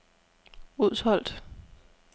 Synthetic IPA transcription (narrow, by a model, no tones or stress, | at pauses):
uð̰ˠshɒ̽l̰d̥